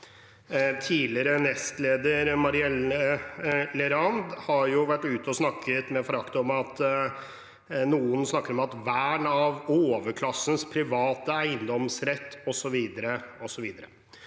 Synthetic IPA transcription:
t̪ʰiːlɪɾənɛst̪leːd̪əɾmɑɾɪɛləlɛɾɑnd̪hɑɾjʊʋæʈːʉːt̪əɔsnɑkʰːət̪mɛfɔɾɑkt̪əɔmɑt̪ | nuːənsnɑkːəɾɔmɑt̪ʋæːɳɑʋoːʋəkʰlɑsːən̩spʰɾɪʋɑːt̪əæɪənd̪ɔmsɾɛt̪ːɔsɔʋiːd̪əɾəɔsɔʋiːd̪əɾə

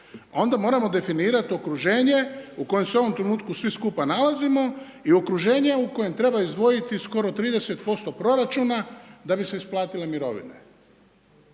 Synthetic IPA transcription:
o̞nd̪amo̞ːɾamo̞d̪e̞finiːɾat̪io̞kɾuʒe̞ːɲe̞uko̞je̞mseo̞ʋo̞mt̪ɾe̞nuːt̪kusʋiskupanalazimo̞ | io̞kɾuʒe̞ːɲe̞uko̞je̞mt̪ɾe̞baizd̪ʋo̞jit̪isko̞ɾo̞t̪ɾiːd̪e̞se̞t̪̚po̞st̪o̞pɾo̞ɾat͡ʃuːnad̪abise̞isplˠaːt̪ilemiɾo̞̰ʋḭne̞̰

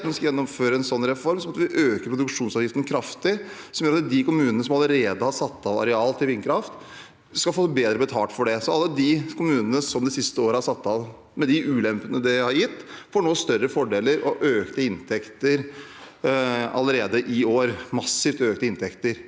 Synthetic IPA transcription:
nɛskɑjɛnːɔmføːɾəɛnsɔnːɾɛfɔɾmsɔmɑt̪ʋɪʔøːkəɾpʰɾʊd̪ʉkʂuːnsɑɾjɪft̪ən̩kʰɾɑft̪ɪsɔmjøːɾɑt̪d̪ɪkʊmʉːnənəsɔmɑləɾeːd̪əhɑɾsɑt̪ːɑʋɑ̰ɾɛɑːlt̪ʰɪlʋɪnkʰɾɑft̪ | skɑlfoːbeːd̪ɾəbət̪ʰɑːʈ̪fɔɖɛsɔɑlːəd̪ɪkʰʊmʉːnənəsɔmd̪ɛsɪst̪əoːɾəhɑɾʂɑt̪ːɑʋ | mɛd̪ɪʔʉːlɛmpənəd̪ɛhɑɾjɪt̪ːfoːɳoːst̪œrːəfɔɖeːləɾɔʔøːkt̪əɪnt̪ʰɛkt̪əɾ | ɑ̰ləɾeːd̪əʔɪoːɾmɑsːɪft̪øːknəɪnt̪ʰɛkt̪əɾ

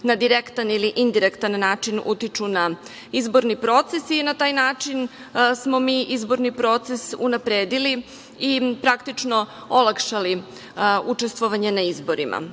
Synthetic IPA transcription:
nad̪iɾekt̪aniliʔind̪iɾekt̪anːaːt͡ʃinṵt̪it͡ʂuna | izbo̞ɾnipɾo̞t̪sesinat̪aːjnaːt͡ʃin | smo̞miːʔizbo̞ɾnipɾo̞t̪sesṵnapɾeːd̪ili | ipɾakt̪it͡ʂno̞ | olˠakʃali | ut͡ʂest̪ʋoʋaɲenaizbo̞ɾimʔa̰

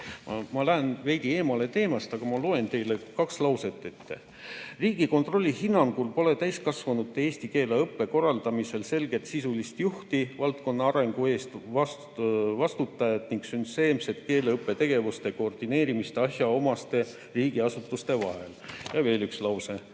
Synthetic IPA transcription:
mɑmɑlæenve̞jd̪ie̞ːmɑle̞t̪e̞ːmɑst̪ɑɡ̥ɑmɑlo̞ːe̞nt̪e̞jlekɑkslɑwse̞t̪ːˑet̪ːḛ | riːɡ̥iko̞nt̪ro̞lʲːihinːɑŋɡ̥ulpo̞le̞t̪æjskɑsvɑnut̪ːeeːst̪ike̞ːleɤpːe̞ko̞rːɑld̪ɑmise̞lse̞lɡ̥e̞t̪sisulist̪juht̪ivɑlt̪ko̞nːɑɑɾe̞ŋɡ̥ue̞ːst̪vɑs | vɑst̪ut̪ːˑɑjɑt̪niŋɡ̥synse̞ːmse̞t̪̚ke̞ːleɤpːˑe̞t̪e̞ɡ̥e̞vust̪e̞ko̞ːrd̪̥ine̞ːɾimist̪eɑɕjɑo̞mɑst̪e̞ | riːɡ̥iɑsut̪ːˑust̪e̞vɑ̰ɦe̞ljɑve̞ːlykslɑwse̞

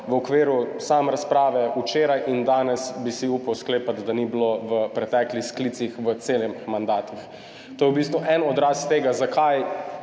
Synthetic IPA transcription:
ʋəɔkʋeːɾusaːmɛɾaspɾaːʋɛut͡ʃeːɾajʔind̪aːnɛsbisiupawskleːpat̪d̪anibloʋəpɾɛt̪ɛːklixsklit̪sixʋət̪seːlɛmixmand̪aːt̪ix | t̪oːjɛwbiːst̪ʋuʔɛnɔd̪ɾast̪eːɡazakaj

